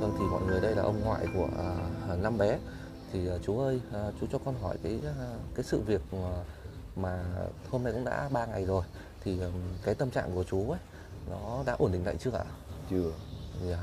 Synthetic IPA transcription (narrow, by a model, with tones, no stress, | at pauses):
və˧˩ŋt̪ʰi˨˩mɔ̰˧˨jŋɨ˨˩əjɗə˧jlaː˨˩ʔə˧wŋ͡mŋwa̰ː˧˨jku˧˩əʔna˧mɓɛ˨˦ | t̪ʰi˨˩ʔəː˨˩t͡ɕu˨˦ʔəː˧jt͡ɕu˨˦t͡ɕɔ˧kɔ˧nɦɔ˧˩jkaː˨˦jkaː˨˦jsɨ̰˧˨vi˨˩ək̚a˨˩ | maː˨˩ho˧mna˧jkʊ̰˧˥ŋ͡mɗa̰ː˧˥ɓaː˧ŋa˨˩jzo˨˩j | t̪ʰi˨˩ʔkaː˨˦jt̪ə˧mt͡ɕa̰ː˧˨ŋku˧˩ət͡ɕu˨˦ə˨˦j | nɔ˨˦ɗa̰ː˧˥ʔo˧˩nɗï˧˨ŋ̟la̰ː˧˨t͡ɕɨ˦˥ək̚ʔa̰ː˧˨t͡ɕː